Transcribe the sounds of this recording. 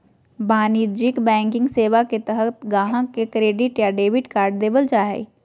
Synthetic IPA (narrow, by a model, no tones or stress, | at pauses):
baːnid͡ʒɪkbɛ̃ːŋkɪ̃ŋɡseːʋaket̪əɦət̪ɡãːɦãkekɾeːɖɪʈjaːɖeːbɪʈkaːɾɖd̪eːbəld͡ʒaːɦɛ̰